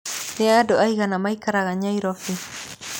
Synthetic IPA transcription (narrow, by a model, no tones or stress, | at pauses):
nɛadɔaiɣanamaikaɾaɣaɲaiɾɔfi